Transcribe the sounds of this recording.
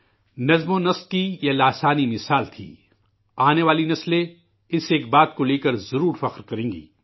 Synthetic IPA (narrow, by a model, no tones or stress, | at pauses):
nɐzmõnɐskijɐlaːsaːnimɪsaːlt̪ʰḭː | aːneʋaːlinɐsle | ɪseːk̚baːt̪̚koleːkəɾzɐɾuːɾfɐqɾkɐɾẽːŋɡḭː